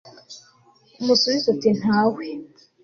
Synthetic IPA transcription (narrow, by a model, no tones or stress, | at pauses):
umusuβizotin̥haːwe